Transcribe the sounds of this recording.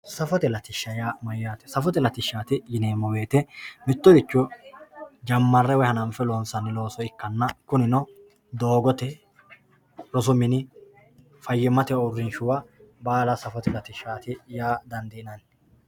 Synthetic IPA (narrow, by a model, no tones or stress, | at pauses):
sɐfɔt̪ɛlɐt̪ɪʃːɐjaːmɔjjat̪ɛ̥sɐfɔt̪ɛlɐt̪ɪʃːaːt̪ɪɡɪneːmːɔwe̞ːt̪ɛmɪt̪ːɔd̪ɪt͡ʃːɔ | d͡ʒɐmːɐrːɛwɛhɐnɐmfɛloːnsɐnːɪlo̞ːsɔɪkːɐnːɐkʊnɪnɔ | d̪o̞ːɡɔt̪ɛ | ɾɔs̬ʊmɪnɪ | fɐjːɛmɐt̪ɛʊrːɪnʃʊwabaːlɐsɐfɔt̪ɛlɐt̪ɪʃːaːt̪ɪjaːd̪ɐnd̪ɛɪnɐn